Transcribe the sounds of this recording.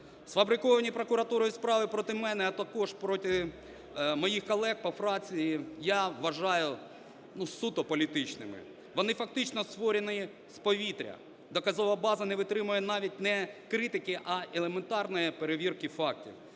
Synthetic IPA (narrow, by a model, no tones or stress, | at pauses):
sfɐbɾɪkɔʋɐnʲipɾɔkʊɾɐt̪uɾɔjispɾɑʋɪpɾɔt̪ɪmɛnɛɐt̪ɐkɔʒpɾɔt̪ʲɪ | mɔjixkɔlˠɛɡpɔfɾɑt͡sʲijijaʋɐʒɑjʊ | nusut̪ɔpɔlʲit̪ɪt͡ʃnɪmɪ̰ | ʋɔnɪfɐk̚t̪ɪt͡ʃnɔst̪ʋɔɾʲenɪj | spɔʋʲit̪ɾʲɐ̰ | d̪ɔkɐzɔʋɐbɑzɐnɛʋɪt̪ɾɪmʊjɛnɑʋʲit̚ʲnɛkɾɪt̪ɪkɪʔɐʔelˠement̪ɑrnɔjipeɾeʋʲirkɪfɑk̚tʲḭw